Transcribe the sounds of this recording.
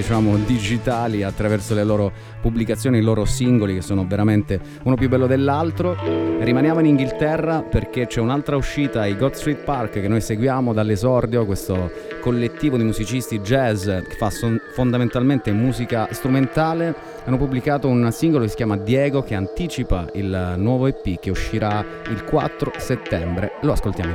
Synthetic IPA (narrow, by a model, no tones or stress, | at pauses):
d̪it͡ʃaːmod̪id͡ʒit̪aːliat̪ːɾavɛrsoleloːɾo | pubːlikat̪sːjoːniloːɾosiŋɡolikesːoːnoveɾament̪e | uːnop̬jubːɛlːod̪elːalt̪ɾorimanjaːmoiniŋɡilt̪ɛrːaperk̟et͡ʃɛunalt̪ɾauʃːiːt̪aːjɡɔt̪st̪ɾit̪̚parkkːenːojseɡwjaːmod̪alːezɔrd̪jokwest̪o | kolːet̪ːiːvod̪imuzit͡ʃist̪id͡ʒɛzke̥fːasofond̪ament̪alment̪emuːzikast̪ɾument̪aːle | anːopubːlikaːt̪ounsiŋɡolokesːi̥kʲjaːmad̪jɛːɡok̟eant̪it͡ʃipa̰ḭlnwɔːvoepːik̟ːeuʃːiɾa | ilkwa̰t̪ːɾoset̪ːɛmbɾeloaskolt̪ja̰ːmo